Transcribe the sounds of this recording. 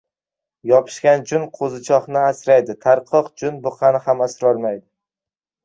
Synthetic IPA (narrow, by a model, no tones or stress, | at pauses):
jɒpʰɪ̥ʃkʲand͡ʒʊnqʰozɪt͡ʃʰɒhnɪasɾajd̪ɪt̪ʰaɾqʰɒqd͡ʒʊnbʊqʰɑnɪhamasɾɒɾmajd̪ɪ